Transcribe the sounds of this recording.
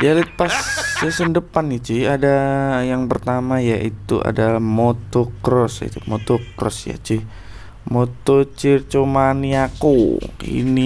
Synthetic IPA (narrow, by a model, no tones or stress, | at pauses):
dalət̪̚past͡ʃasəndəpanit͡ʃihadajaŋpərt̪amajaʔit̪ua̰dalahmot̪ɔkɾɔsḭt̪umot̪ɔkɾɔ̰sja̰t͡ʃih | mot̪ɔt͡ʃirt͡ʃomaniakoḭni